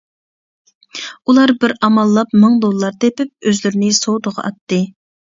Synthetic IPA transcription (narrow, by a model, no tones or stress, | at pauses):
ulˠɑɾbɪɾɑmɑlˠːɑpmɨŋd̪olˠəlːˠɑɾt̪epɪp̚øzlyɾɪnɪsowd̪əʁɑ̰ɑt̪ːɨ